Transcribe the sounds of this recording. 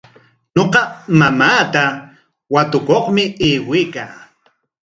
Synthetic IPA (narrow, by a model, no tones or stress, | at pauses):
ɲoqɑmamaːt̪a | wat̪ʊkoχmɪeːwɪjkaː